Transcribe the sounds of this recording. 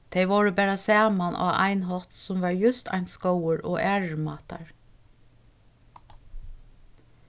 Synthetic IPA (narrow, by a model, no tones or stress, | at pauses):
t̪ʰeɪʋoːɹəbæːɹasæːmanʔa̰ːʔæ̰ɪnɦɔt̪sʊmʋɑːɹjʉst̪ʰa̰ɪnskowəɹʔɔːʔæːɹmɑːt̪a̰ɹ